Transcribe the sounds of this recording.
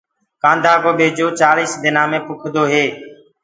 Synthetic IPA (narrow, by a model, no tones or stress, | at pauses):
kãːnd̪ʱaːkoːɓeːd͡ʒoːt͡ʃaːliːsd̪ɪnãːmẽːpʊkʰd̪oːɦeː